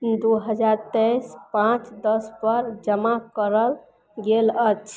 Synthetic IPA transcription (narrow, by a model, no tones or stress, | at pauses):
d̪uɦəd͡ʒaɾt̪əjspãt͡ʃd̪əspəɾd͡ʒəmakəɾəl | ɡelət͡ʃʰ